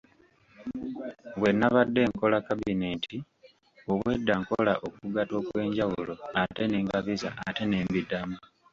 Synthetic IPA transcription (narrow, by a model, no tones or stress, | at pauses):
βwe̞nːaβadːe̞ːŋko̞lakabine̞ːnti | oβwe̞dːaŋko̞laʔo̞kuɡato̞ːkwe̞ːɲɟawulo̞ate̞neːŋɡaβiza̰ʔːte̞neːmbidamu